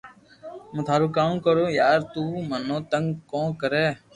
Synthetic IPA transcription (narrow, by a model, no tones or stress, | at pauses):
mə̃ːt̪ʰaːɾuːkaːmkəɾoːjaːɾt̪uːmənõːt̪ə̃ŋɡkõːkəɾeː